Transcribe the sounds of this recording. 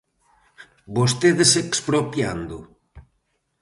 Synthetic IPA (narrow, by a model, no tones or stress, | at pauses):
bost̪eðesekspɾopja̰nd̪ʊ